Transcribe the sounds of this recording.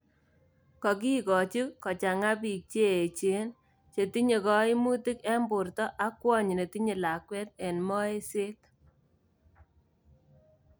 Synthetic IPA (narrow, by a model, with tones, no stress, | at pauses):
kɔ˨k̬i˦kɔ˨t͡ʃu˦kɔ˨t͡ʃa˨ŋa˦pi˨k̚t͡ʃeː˦˨t͡ʃe˦n | t͡ʃe˨ti˦ɲe˨kɔ˦i˦mu˦ti˦kɛ˦mbʊ˨rtɔ˦ʔa˦kːwɔ˦ɲi˨ne˨ti˦ɲe˨la˨kwɛ˦t̚ɛ˨nmɔ˦e˦se˦t̚